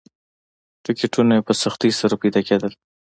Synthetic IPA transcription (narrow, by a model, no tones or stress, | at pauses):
ʈɪkʈunaepəsaxt̪isaɾapajd̪ɑked̪əl